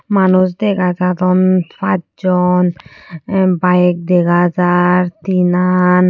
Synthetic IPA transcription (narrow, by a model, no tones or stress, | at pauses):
manusd̪ɛɡad͡ʒat̪ɔnfad͡ʒɔn | bajek̚d̪ɛɡad͡ʒaɾt̪inan